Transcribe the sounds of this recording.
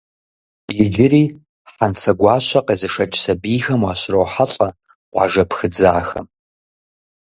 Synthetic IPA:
jɪd͡ʒɪriː | ħant͡sʰɐɡʷɑːɕɐqʼezɨʂɐt͡ʃʼsɐbiːxɐmwɑɕrowħaɬʼɐ | qʷɑ̰ʒɐpxɨd͡zaːxɐ̰m

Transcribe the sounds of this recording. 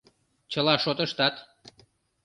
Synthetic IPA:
t͡ɕəlɑʃot̪əʃt̪ɑt̪

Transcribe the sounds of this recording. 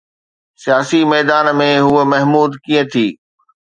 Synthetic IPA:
sijaːsimɛːd̪aːnmẽɦuəmɐɦmuːd̪kĩːə̃t̪ʰiː

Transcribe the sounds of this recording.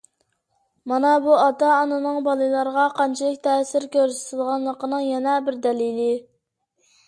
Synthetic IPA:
mɑnɑbuɑt̪ɑːnɨnɨŋbɑlˠɨlˠɑɾʁɑqʰɑnt͡ʃʰilˠɪkʲt̪ʰɛsɪɾkʲʰøɾsɪ̥t̪ʰɪlˠʁɑnlˠəqənɨŋjɛnɛbɪɾd̪ɛlilɪ

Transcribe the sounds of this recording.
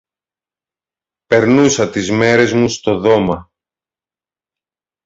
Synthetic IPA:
pe̞ɾnusɐt̪izme̞ɾe̞zmust̪o̞ðo̞mɐ

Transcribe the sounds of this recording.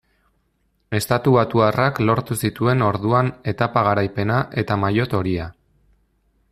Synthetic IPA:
e̞st̪at̪uβat̪uaraklo̞ɾt̪usit̪ue̞no̞ɾðuane̞t̪apaɣaɾajpe̞naʔe̞t̪amajo̞t̪o̞ɾia

